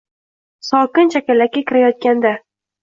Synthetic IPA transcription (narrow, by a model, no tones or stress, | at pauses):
sɒkʲɪnt͡ʃʰakʲalːakʲakʲʰɪɾajɒt̪̚kʲand̪a